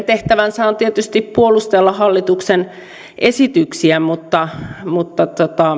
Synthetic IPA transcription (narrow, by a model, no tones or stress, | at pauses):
nt̪eht̪æʋænsæˑont̪iet̪yst̪ippuolust̪elːɑhɑlːit̪uksen | ʔesit̪yksiæmut̪ːɑmut̪ːɑt̪ot̪ɑ